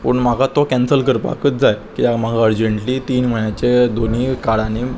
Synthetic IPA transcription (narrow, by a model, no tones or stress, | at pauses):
pəɳmaɡat̪okɛnsəlkəɾpa̰kət̪̚d͡zajkiamaɡaəɾd͡ʑəɳʈliːt̪iːnm̤əɳjat͡ɕed̪oniːkaɽani